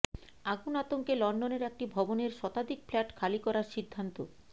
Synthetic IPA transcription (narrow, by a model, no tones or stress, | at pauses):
aɡunat̪oŋkelɔɳɖoneɾek̚ʈibʱɔboneɾʃɔt̪ad̪ikflɛʈkʰalikɔɾaɾʃid̪ʱːant̪o